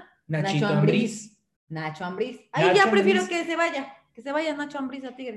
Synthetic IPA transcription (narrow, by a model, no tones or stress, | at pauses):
nanat͡ʃit͡ʃammbbɾis | nat͡ʃoambɾisaiʝapɾefjeɾokeseβaʝakeseβaʝanat͡ʃoambɾis̬at̪iɣɾ